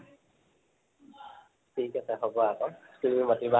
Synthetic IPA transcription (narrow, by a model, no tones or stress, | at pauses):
tʰikasɛɦɔbɔakɔtumimatiba